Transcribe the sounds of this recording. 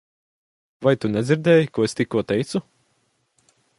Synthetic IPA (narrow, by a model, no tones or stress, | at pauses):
vajt̪unʲɛzʲiɾd̪ɛːjikuɔest̪ikːuɔt̪ɛjt̪su